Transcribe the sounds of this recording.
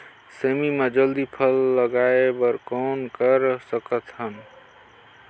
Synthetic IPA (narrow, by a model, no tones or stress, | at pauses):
semimed͡ʒəld̪ipʰəlːəɡaebəɾkɔnkəɾsəkət̪ɦən